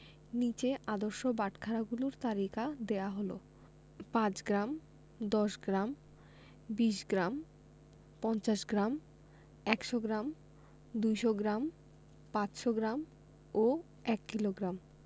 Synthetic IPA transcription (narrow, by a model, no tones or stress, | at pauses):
nit͡ɕeʔad̪oɾʃobaʈkʰaɾaɡuluɾt̪aɾikad̪eaɦolo̰ | pãt͡ɕɡɾam | d̪ɔʃɡɾam | biʃɡɾam | pɔnt͡ɕaʃɡɾam | ɛkʃoɡɾam | d̪ujʃoɡɾam | pãt͡ɕʃoɡɾam | o | ɛkːiloɡɾam